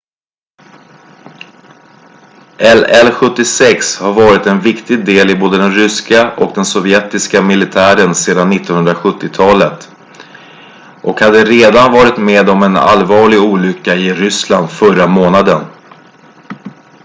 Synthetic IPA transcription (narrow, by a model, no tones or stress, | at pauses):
ʔɛlɛlɧɵt̪ːɪsɛkshaɾvɑːɾɪt̪ɛnvɪkt̪ɪɡ̚d̪eːlɪboːd̪əd̪ɛnɾʏskaʔɔkd̪ɛnsɔvjɛt̪ɪskamɪlɪt̪ʰæːɾənseːd̪anːɪt̪ːɔnhɵnd̪ɾaɧɵt̪ːɪt̪ʰɑːlət̪ | ʔɔkhad̪ːəɾeːd̪anvɑːɾɪt̪meːd̪ɔmɛna̰lvɑːɭɪɡuːlʏkːaɪɾʏsland̪fœɾamoːnad̪ən